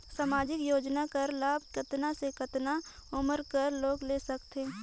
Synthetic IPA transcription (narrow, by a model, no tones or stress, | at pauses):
saːmaːd͡ʒɪkjoːd͡ʒnakɐɾlaːb̚ʱkɐt̪nasekɐt̪naʊməɾkəɾloːɡleːsɐkt̪e